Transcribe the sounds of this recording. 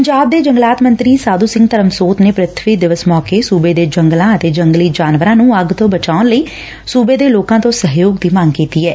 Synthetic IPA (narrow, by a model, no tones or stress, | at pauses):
pəɲd͡ʒaːb̚d̪eːd͡ʒəŋɡlaːt̪mə̃nt̪ɾiːsaːd̪uːsɪ̃ŋɡt̪əɾəmsoːt̪neːpɾət̪ʰʋiːd̪ɪʋəsmɔːkeːsuːbeːd̪eːd͡ʒəŋɡlãːət̪eːd͡ʒəŋɡliːd͡ʒaːnʋəɾãːnũːəɡt̪õːbət͡ʃaːʊnləiː | suːbeːd̪eːloːkãːt̪õːsəɦjoːɡd̪iːmaːŋɡkiːt̪iːɛː